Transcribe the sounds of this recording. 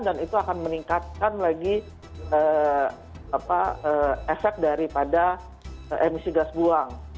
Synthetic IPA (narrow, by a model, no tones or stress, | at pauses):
danit̪uakanməniŋkat̪̚kanlaɡi | ə | apaəːɛfɛk̚daɾipada | əʔemisiɡasbuaŋ